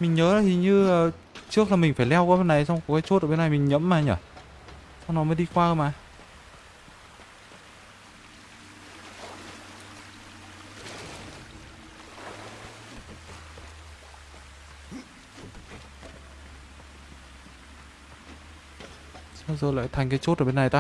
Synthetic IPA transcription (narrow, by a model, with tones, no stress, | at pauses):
mï˨˩ŋɲəː˨˦nɔ˨˦t̪ʰi˨˩ɲɨ˧əː˨˩ | t͡ɕɨ˦˥ək̚laː˨˩mï˨˩ŋ̟faː˧˩jlɛ˧wkɔː˨˦ɓe˧nːa˨˩jswŋ͡mkkaː˨˦t͡ɕo˦˥t̚ʔəː˧˩ɓe˧na˨˩jmï˨˩ŋ̟ɲə̰˧˥mmaː˨˩ɲəː˧˩ | sɔ˧wnɔ˨˦məː˨˦jɗi˧kwaː˧əː˧˨˩maː˨˩ | sa˧zəː˨˩jla̰ː˧˨jt̪ʰa˨˩jŋ̟kaː˨˦jt͡ɕo˦˥t̚ʔəː˧˩ɓe˧na˨˩jt̪aː˧